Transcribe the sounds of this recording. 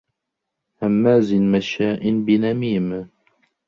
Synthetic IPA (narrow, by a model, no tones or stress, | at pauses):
hɐmːaːzinmɐʃaːʔinbinɐmiːm